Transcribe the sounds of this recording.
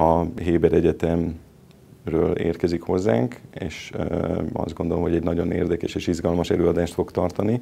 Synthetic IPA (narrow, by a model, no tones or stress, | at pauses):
ɒɦeːbɛɾɛɟɛt̪ɛm | røːlḛːrkɛzikho̞zːa̰ːŋkeːʃøɒ̰zɡo̞nd̪o̞lomɦoɟɛɟnɒɟo̞neːrd̪ɛkɛʃeːʃizɡɒlmɒʃɛløːɒd̪aːʃt̪fo̞kt̪ɒrt̪ɒni